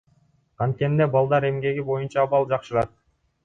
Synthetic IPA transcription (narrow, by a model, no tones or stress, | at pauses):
ɑnt̪̚kʲe̞nd̪ebɑlˠd̪ɑɾe̞mɡʲe̞ɡibo̞junt͡ʃɑːβɑlˠd͡ʒɑqʃɯɾɑt̪̚